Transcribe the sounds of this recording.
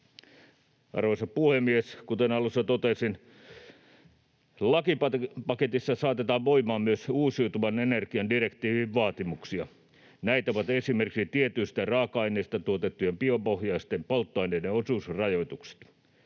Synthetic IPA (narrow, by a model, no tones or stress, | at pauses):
ʔɑ̰rʋoisɑpuhemːieskut̪enɑlusːɑt̪ot̪esin | lɑkipɑpɑket̪isːɑsɑːt̪et̪ɑːʋʋoimɑːmmyøsuːsiut̪uʋɑnenerkiɑndirekt̪iːʋiʋʋɑːt̪imuksiɑ | næit̪æoʋɑt̪esimerkiksit̪iet̪yist̪ærɑːkɑɑineist̪ɑt̪uot̪et̪ːujempiompohjɑist̪empolt̪ːoɑineideosuːsrɑjoit̪ukse̥t̪